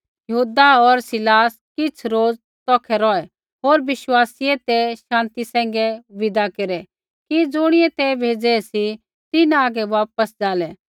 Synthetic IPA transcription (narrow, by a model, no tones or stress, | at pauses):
jɐɦuːd̪aɔɾsɪlaːs | kɪt͡sʰɾoːd͡z | t̪ɔːkʰɛɾɔɛ | ɦoːɾʋɪʃwaːsiɛt̪ɛʃãːnt̪isɛ̃ːŋ̆ɡɛʋɪd̪akeɾɛ | kid͡zʊɽ̃ɪɛt̪ɛbʱeːd͡zɛsi | t̪ɪnaːɡɛʋaːp̚əsd͡zaːlɛ